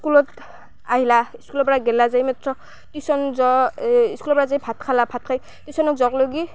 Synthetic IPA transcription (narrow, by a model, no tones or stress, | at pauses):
skulɔt | aɦilaiskulɔpɔɹaɡɛlazajmɛtɹɔ | tisɔnzɔiskulɔpɔɹazajpʰatkʰalabʰʱatkʰaj | tisɔnɔkzɔkloɡi